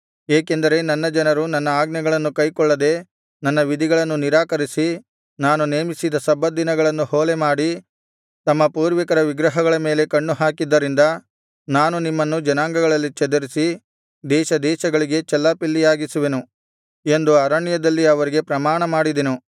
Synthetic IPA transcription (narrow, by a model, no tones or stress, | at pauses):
eːkend̪ɐɾe̞nɐnːɐd͡ʒɐnɐɾunɐnːɐaːɡnɐɡɐɭɐnːukɐjkɔɭːɐd̪e̞ | nɐnːɐʋid̪iɡɐɭɐnːuniɾaːkɐɾisi | naːnuneːmisid̪ɐsɐbːɐd̪inɐɡɐɭɐnːuhoːlemaːɽi | t̪ɐmːɐpuːɾʋikɐɾɐʋiɡɾɐɦɐɡɐɭɐme̞ːle̞kɐɳːuɦaːkid̪ːɐɾind̪ɐ | naːnunimːɐnːud͡ʒɐnaːŋɡɐɡɐɭɐlːit͡ʃɛd̪ɐɾisi | d̪ɛːʃɐd̪ɛːʃɐɡɐɭiɡe̞t͡ʃɛlːapilːijaːɡisuʋe̞nu | e̞nd̪uɐɾaɳjɐd̪ɐlːiɐʋɐɾiɡe̞pɾɐmaːɳɐmaːɽid̪enu